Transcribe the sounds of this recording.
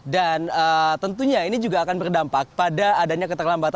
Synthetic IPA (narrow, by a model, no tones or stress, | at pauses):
danəːt̪ənt̪uɲainid͡ʒuɡaːkanbərdampak̚padaːdaɲakət̪ərlambat̪